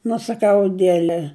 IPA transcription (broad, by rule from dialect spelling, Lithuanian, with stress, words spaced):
nʊ sɐˈkɐʊ ɐˈdʲiɛlʲɛ